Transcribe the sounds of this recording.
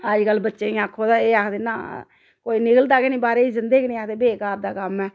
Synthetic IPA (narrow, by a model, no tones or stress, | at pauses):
əd͡ʒkəlːbətːʃeːĩːakʰːoːd̪aːeːaːkʰd̪eːnã̰ː | koːiːnɪkəld̪aːkenĩːbaːɾeːiːzɪnd̪eːkːnĩːaːkʰd̪eːbeːkaːɾd̪aːkəmɛː